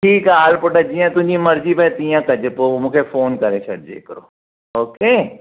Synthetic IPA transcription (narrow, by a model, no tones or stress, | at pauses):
ʈʰiːkɛaːlpʊɖɐd͡ʒiãt̪ʊnĩmɐɾd͡ʒibɛːt̪ijãkɐd͡ʒəpoomʊkʰefoːnkɐɾeːt͡ʃʰɐɽd͡ʒḛːkəɾoː | oːkeː